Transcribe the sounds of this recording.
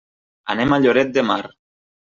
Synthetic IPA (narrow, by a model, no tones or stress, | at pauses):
a̰nemaʎoɾet̪̚d̪emaɾ